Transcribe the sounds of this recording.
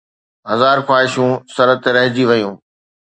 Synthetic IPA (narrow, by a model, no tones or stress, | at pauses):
ɦɐzaːɾkwaːɦɪʃũsɐɾət̪eɾɐɦɪd͡ʑiʋɐjũː